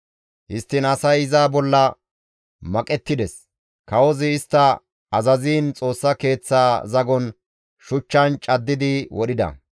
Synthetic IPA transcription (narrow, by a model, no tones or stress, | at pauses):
hɪst̪ːɪnɐsɐjɪzaːbɔlːɐ | mɐkʼɛt̪ːɪd̪ɛs | kɐwɔzɪːst̪ːɐ | ɐzɐziːnt͡sʼo̞ːsːɐke̞ːt͡sːaːzɐɡɔn | ʃʊt͡ʃːɐnt͡ʃʼɐd̪ːɪd̪ɪwʔɔɗɪd̪ɐ̰